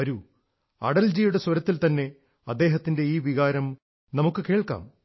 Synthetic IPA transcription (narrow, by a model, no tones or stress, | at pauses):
ɐɾu | ɐ̰ɽɐld͡ʑiːjuɽeswɐɾɐt̪ːilt̪ɐnːe̞ | ɐd̪ːe̞ːɦɐt̪ːinde̞iːʋiɣaːɾɐm | nɐmukːɨke̞ːɭka̰ːm